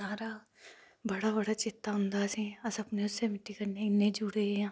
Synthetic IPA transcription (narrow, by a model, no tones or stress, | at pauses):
aːɾa | bəɽaːbəɽaːt͡ʃɪt̪ːaɦʊnd̪aːsiɐsɐpneʊsːemɪʈːikɐɾneɪnːẽːd͡ʒuɽeãː